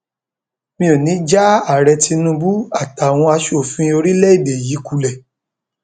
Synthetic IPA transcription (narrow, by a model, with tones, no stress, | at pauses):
mĩ˧õ˨nĩ˨˦d͡ʒa˦a˦˨ɾɛ˧ti˧nũ˧˦bu˦a˦˨ta˨w̃ɔ̃˧a˧ʃo˨fĩ˧o˧ɾi˦lɛ˦i˦˨de˨ji˨˦ku˧lɛ˨